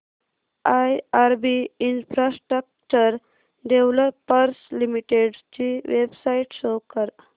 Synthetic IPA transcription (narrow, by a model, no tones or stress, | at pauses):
ajaɾbiinfɾasʈɾək̚t͡ɕəɾ | ɖ̪ewləpːəɾslimiʈeɖt͡ɕiʋebsaiʈɕokəɾ